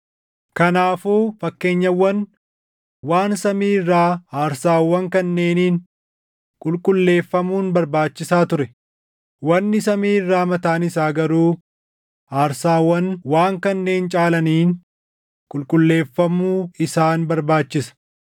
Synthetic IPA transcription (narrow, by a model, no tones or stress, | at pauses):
kɐnaːfuːfɐkːe̞ːɲːɐwːɐn | waːnsɐmiːrːaːaːɾsaːwːɐŋkɐnːe̞ːniːn | kʼʊlkʼʊlːe̞ːfːɐmuːnbɐɾbaːt͡ʃːɪsaːt̪ʊɾɛ | wɐnːɪsɐmiːrːaːmɐt̪aːnɪsaːɡɐɾuː | aːɾsaːwːɐnwaːŋkɐnːe̞ːnt͡ʃʼaːlɐniːn | kʼʊlkʼʊlːe̞ːfːɐmːuːɪsaːnbɐɾbaːt͡ʃːɪsɐ̥